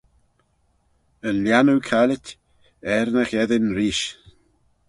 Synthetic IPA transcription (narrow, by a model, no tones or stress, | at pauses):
ənljanukʰalɪtʲ | ɛɾnəxɛðɪnɾiːʃ